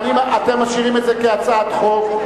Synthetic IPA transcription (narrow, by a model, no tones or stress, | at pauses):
nimaat̪emːaʃiʁimetzekeat͡sat̪χov